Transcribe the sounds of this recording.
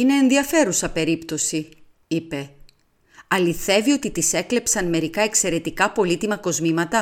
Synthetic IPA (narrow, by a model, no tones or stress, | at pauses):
ine̞ːnðiɐfe̞ɾusɐpe̞ɾipt̪o̞si | ipe̞ | ɐliθe̞vio̞t̪it̪ise̞kle̞psɐnme̞ɾikɐekse̞ɾe̞t̪ikɐpo̞lit̪imɐko̞zmimɐt̪ɐ